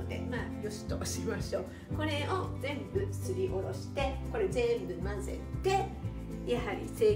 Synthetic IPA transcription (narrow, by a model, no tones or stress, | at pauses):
od̪e̞̰maːjosɨ̥t̪oɕimaɕo̞ː | ko̞ɾe̞o̞zẽ̞mbɯ̟̥sɨɾʲiʔo̞ɾo̞ɕi̥t̪e̞ko̞ɾe̞zẽ̞mbɯ̟mãnze̞̰t̪ːe̞ | jahaɾʲḭse̞ː